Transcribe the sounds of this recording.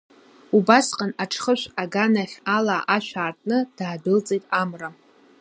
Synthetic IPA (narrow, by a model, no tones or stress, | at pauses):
ubasqʼanaʈ͡ʂʰχəʃʷaɡanaχʲalaːʔaʃᶣʷaːrtʼnɨd̥aːbɨlt͡sʼejtʼamra